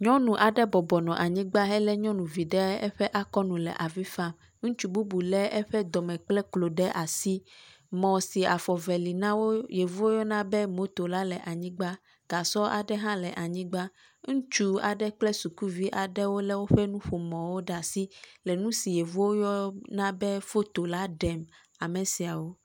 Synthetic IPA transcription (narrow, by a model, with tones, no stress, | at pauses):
ɲɔ̃˦nũ˨ʔa˨ɖɛ˦bɔ˨bɔ˨nɔ̃˨ʔa˨ɲĩ˦ɡ͡ba˦ɦɛ˦lɛ˦ɲɔ̃˦nũ˨vi˨ɖɛ˦ɛ̰˦ɸɛ˦ʔa˦kɔ˦nũ˨lɛ̰˨ʔa˨vi˦fa˦˨m | ŋ̩̃˦t͡ʃu˦bu˦bu˨lɛ˦ɛ˦ɸɛ˦d̪ɔ˨mɛ̃˨k͡plɛ˦klo˨ɖɛ˦ʔa˨si˦ | mɔ̃˨si˨a˨fɔ˨vɛ˨li˨nã˦wo˦je˨vu˦wo˦jɔ˦nã˦bɛ˦mo˦t̪o˨la˦lɛ˨ʔa˨ɲĩ˦ɡ͡ba˦ | ɡ̥a˨sɔ˦ʔa̰˨ɖɛ˦ɦã˦lɛ˨ʔa˨ɲĩ˦ɡ͡ba˦ | ŋũ˦t͡ʃu˦a̰˨ɖɛ˦k͡plɛ˦su˨ku˦vi˦ʔa˨ɖɛ˦wo˦lɛ˦wo˦ɸɛ˦nũ˦ɸo˨mɔ̃˨wo˦ɖa˨si˦lɛ˨nũ˦si˨je˨vu˦wo˦jɔ˦nã˦bɛ˦fo˦t̪o˨la˦ɖɛ˨m | a˨mɛ̃˨si˨a˨wo˦